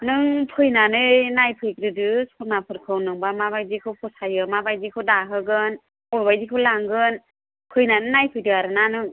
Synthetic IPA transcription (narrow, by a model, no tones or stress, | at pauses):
nɯŋpʰɯjnanɯjnajpʰɯjk̚ɾɯdɯsɔnapʰɯɾkʰɯwnɯŋbamaβajdikʰɯwkʰɯsajɯmabajdikʰɯwdaɦɯɡɯn | ɔjbajdikʰɯwlaŋɡɯn | pʰɯjnanɯnajpʰɯjdɯaɾɯnanɯŋ